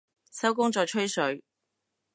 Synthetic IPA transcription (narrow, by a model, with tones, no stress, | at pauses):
sɐ˥wk̬ʊ˥ŋt͡ʃɔː˧jt͡ʃʰɵ˥ɥsɵ˨˧ɥ